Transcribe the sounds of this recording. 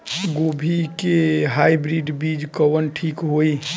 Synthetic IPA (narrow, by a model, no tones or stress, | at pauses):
ɡobʱikeɦajbɾiɖbid͡ʒkəwənʈʰikɦoi